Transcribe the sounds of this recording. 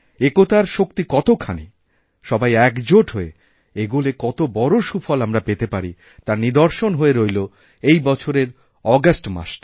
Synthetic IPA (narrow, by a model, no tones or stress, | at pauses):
ekot̪aɾʃok̚t̪ikɔt̪okʰanḭ | ʃɔbajɛkd͡ʑoʈɦoe | eɡulekɔt̪obɔɾoʃufʰɔlamɾapet̪epaɾi | t̪aɾnid̪oɾʃonɦoeɾojlo | ejbɔt͡ɕʰoɾeɾ | ɔɡasʈma̰ʃt